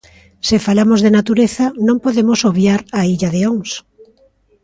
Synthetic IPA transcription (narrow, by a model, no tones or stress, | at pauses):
sɪfalamozðenat̪uɾeθɐnõŋpoðemosoβjaɾaiʎɐðeoŋs